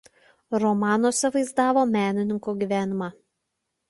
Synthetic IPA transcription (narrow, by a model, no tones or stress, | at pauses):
ɾɔmɑːnoːsʲɛʋɐɪzd̪ɑːʋoːmʲæːnʲɪnʲɪŋkoːɡʲiːˑʋʲæːnʲɪmɑː